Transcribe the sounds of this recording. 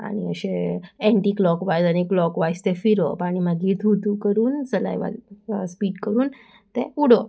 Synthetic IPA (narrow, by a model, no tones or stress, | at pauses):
a̰ɽ̃iə̰ɕeeɳʈiːklɔkʋajd͡zaɽ̃iklɔkʋajst̪efiɾɔpaɽ̃imaɡit̪ʰut̪ukəɾuːnsəla̰jʋa̰spiːʈkəɾuːn | t̪ẽuɽo